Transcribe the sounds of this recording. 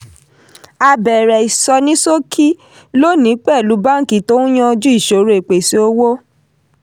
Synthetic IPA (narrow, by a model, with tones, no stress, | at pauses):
a˧bɛ˨ɾɛ˨i˨sɔ˧nĩ˦so˦kʰi˦ | lo˦nĩ˨˦k͡pɛ˦˨lu˨˦ba˦ŋ̩˨ki˨to˦ũ˦j̃ã˧d͡ʒu˦i˦˨ʃo˨˦ɾe˨k͡pe˨si˨˦o˦wo˦